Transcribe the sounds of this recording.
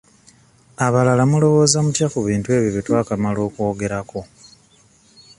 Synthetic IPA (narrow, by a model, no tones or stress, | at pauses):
aβalalamulo̞βo̞ːzamutjakuβiːntue̞ːβjiβitwaːkamalo̞ːko̞ːɡe̞ɾako̞